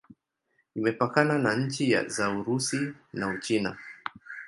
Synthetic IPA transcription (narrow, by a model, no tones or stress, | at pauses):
imɛpakananaɲ̩t͡ʃija̰zauɾusinaut͡ʃina̰